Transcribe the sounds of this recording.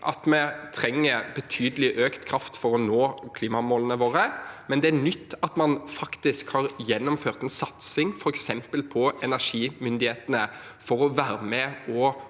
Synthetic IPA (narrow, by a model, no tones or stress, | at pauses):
ʔɑ̰t̪mɛt̪ʰɾɛŋːəbət̪ʰyːd̪əlɪʔøːkt̪kʰɾɑft̪fɔɾɔnoːkʰliːmɑmoːlənəʋoːɾəmɛnd̪ɛænʏt̪ːɑt̪mɑnfɑkt̪ɪskhɑːʁjɛnːʊmføːʁt̪ɛnsɑt̪sɪŋfɔɾɛksɛmpəlpʰɔɛnæʂiːmʏnd̪ɪheːt̪ənə | fɔɾɔʋæːɾmɛɔ